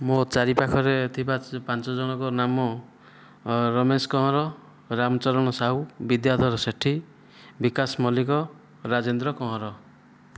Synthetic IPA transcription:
mot͡ʃaɾipakʰɔɾet̪ʰibapant͡ʃɔd͡ʒɔɽ̃ɔkɔnamɔ | ɾɔmeskɔɦɔɾɔ | ɾamɔt͡ʃɔɾɔɽ̃ɔsaɦubid̪jad̪ʱɔɾɔseʈʰi | bikasmɔlikɔ | ɾad͡ʒend̪ɾɔkɔɦɔɾɔ

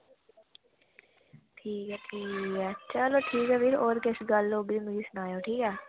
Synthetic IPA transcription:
ʈʰiːkɛːʈʰiːkɛːt͡ʃəloːʈʰiːkɛːpɪɾoːɾkɪsɡəlːoːbɾimɪd͡ʒiːsʊnaːjoːʈʰiːkɛː

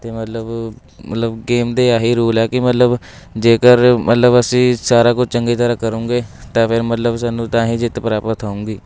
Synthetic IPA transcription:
t̪eːmət̪ləb | mə̰t̪ləbɡeːmd̪eːaːɦiːɾuːlɛːkɪmət̪ləb | d͡ʒeːkəɾmət̪ləbəsĩːsaːɾaːkʊt͡ʃʰt͡ʃəŋɡeːt̪əɾaːkəɾũːŋɡeːt̪ãːpʰɪɾmət̪ləbsaːnːũːt̪ãːɦĩːd͡ʒɪt̪pəɾaːpət̪ʰaːũːŋɡiː

